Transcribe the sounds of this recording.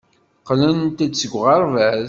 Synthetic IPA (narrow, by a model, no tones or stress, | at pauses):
qlənt̪æt͡sːəɡʷʁɑɾˤvæð